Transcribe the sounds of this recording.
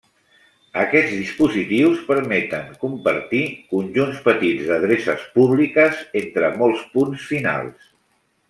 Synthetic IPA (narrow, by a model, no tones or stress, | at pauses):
əkɛd͡zðispuzit̪iwspəɾmɛt̪əŋkumpəɾt̪ikunʲʒunspət̪id͡zðəð̞ɾesəspuβlikəzent̪ɾəmɔlˠspunsfina̰lˠs